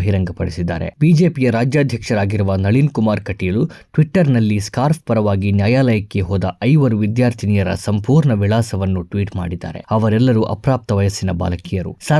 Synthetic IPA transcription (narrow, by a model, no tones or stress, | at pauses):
ɐɦiɾɐŋɡɐpɐɽisid̪ːaːɾe̞̰biːd͡ʒeːpijɐɾaːd͡ʒjaːd̪ʱjɐkʂɐɾaːɡiɾuʋɐnɐɭinkumaːɾkɐʈːijɐluʈʋiʈːɐɾnɐlːiskaːɾp̚pɐɾɐʋaːɡinjaːjaːlɐjɐkːeɦoːd̪ɐʔɐjʋɐɾuʋid̪jaːɾt̪ʰinijɐɾɐ̰sɐmpuːɾɳɐʋiɭaːsɐʋɐnːuʈʋiːʈma̰ːɽid̪a̰ːɾḛɐʋɐɾɛlːɐɾuʔɐ̰pɾaːp̚t̪ɐʋɐjɐsinɐba̰ːlɐkijɐɾṵsɐ